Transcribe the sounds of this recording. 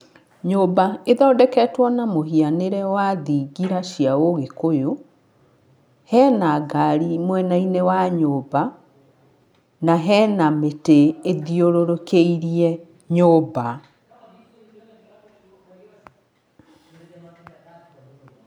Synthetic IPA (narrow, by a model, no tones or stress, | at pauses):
ɲobaeðɔːdɛkɛtwɔnamoɦianeɾɛwaðiɡiɾaɕjaoɣekojo | hɛnaɡaɾimwɛnainewaɲoːba | naɦɛːnameteeðioɾoɾokeiɾiɛ | ɲoba